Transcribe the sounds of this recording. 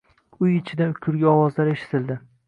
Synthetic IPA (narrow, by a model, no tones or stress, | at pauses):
ʊjɪt͡ʃʰɪd̪aʊkʲʰʊɾɡʲaɒwɒzlaɾe̞ʃɪ̥t̪ʰɪld̪ɪ